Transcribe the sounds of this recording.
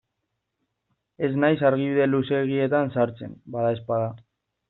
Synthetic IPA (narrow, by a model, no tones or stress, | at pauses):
e̞znajsaɾɣ̞iβiðe̞luse̞ɣ̞ie̞t̪ansaɾt͡se̞̰nbaðae̞spaða